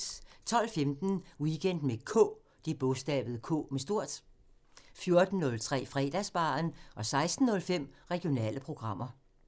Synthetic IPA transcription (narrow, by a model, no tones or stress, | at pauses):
t͡sʰɒ̽l̰femd̥n̩wiɡ̥en̰d̥mekʰɔ̰ː | d̥ib̥ɔsd̥ɛ̰ːb̥ð̞̩ˠəkʰɔ̰ːmesd̥o̝ɐ̰d̥ | fjo̝ɐd̥n̩ːɔ̽lt͡sʰʁɛ̰ːfʁɛ̰ːd̥æsb̥ɑ̰̈ːnʔɒ̽sɑ̈ɪsd̥n̩ːɔ̽lfem̰ʁɛɡ̥ijo̝nɛ̰ːləpʰʁo̝ɡ̥ʁɑ̈m̰ɐ